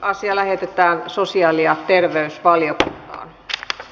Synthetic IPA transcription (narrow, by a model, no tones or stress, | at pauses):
ɑsiɑlæhet̪et̪æːnsosiɑːliɑt̪erʋeysʋɑljokunt̪ɑ̰ːn